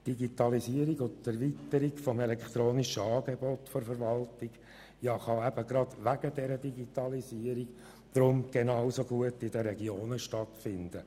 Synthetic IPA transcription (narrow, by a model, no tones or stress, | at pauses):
d̥iɡit̪ɑliziəɾiɡʊtæɾvit̪əɾiɡfɔmelɛkt̪ɾoːniʃəɑːɡebɔt̪fɔɾfəɾʋɑltiɡ | jɑχɑɛb̥əɡɾɑd̪̥ʋæɡ̥ədɛɾədiɡitɑlisiəɾiɡ | d̥ɾʊmɡ̥enɑʊsoɡuətːɪdəɾɛɡioːnəʃtɑtfɪnd̥̪ə